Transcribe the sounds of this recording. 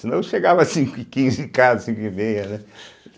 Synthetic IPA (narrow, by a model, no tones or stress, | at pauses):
sinɐ̃w̃ʃeɡavɐsĩŋkʊikĩzɪkazɐsĩŋkʊimejɐnɛ